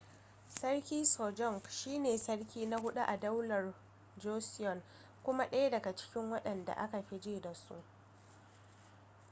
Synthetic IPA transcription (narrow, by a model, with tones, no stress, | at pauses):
sɐ˦rkʲiː˦soː˨d͡ʒɔ˦ŋkʃiː˦neː˨sɐ˦ɽkʲiː˦na˦hʊ˦ɗu˦ʔa˨dɐ˦wlɐ˨r | d͡ʒoː˦sɪ˦jɔ˨n | kʷʊ˦ma˦ɗɐ˦ja˦dɐ˨ɡa˨t͡ʃɪ̥˦kʲɪ˦ŋwɐ˦ɗɐ˨nda̰˨ʔa̰˦ka˨ɸɪ˦d͡ʒiː˦da˨sṵ˦ʔ